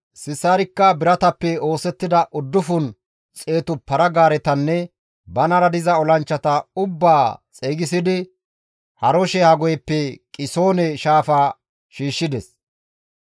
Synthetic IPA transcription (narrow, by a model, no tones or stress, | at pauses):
sɪsːaːɾɪkːɐbɪɾɐt̪ɐpːɛo̞ːsɛt̪ːɪd̪ɐʔʊd̪ːʊfʊn | t͡sʼe̞ːt̪ʊpɐɾɐɡaːɾɛt̪ɐnːɛ | bɐnɐɾɐd̪ɪzɐɔlɐnt͡ʃːɐt̪ɐʊbːaːt͡sʼeːɡɪsɪd̪ɪ | hɐɾɔʃɛhɐɡɔjɛpːɛkʼɪso̞ːnɛʃaːfaː | ʃiːʃːɪd̪ɛs